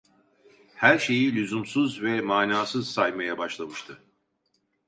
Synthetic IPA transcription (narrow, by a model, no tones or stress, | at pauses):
hæɾʃe̞jilʲyzumsuzvɛmaːnaːsɯzsajmajabaʃlˠamɯʃt̪ʰɯ